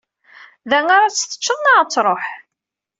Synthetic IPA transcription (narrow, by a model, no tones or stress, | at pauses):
ðæŋaɾat͡sːθə̥t͡ʃːəðˤnaət͡sːɾˤoħ